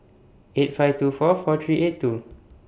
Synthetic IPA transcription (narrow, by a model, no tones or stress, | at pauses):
et̚faɪtufɔfɔt̪ʰɹiʔet̚tːu